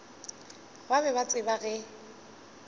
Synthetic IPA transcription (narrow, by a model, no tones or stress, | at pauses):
babɛbat͡sʼɪbaɣɛ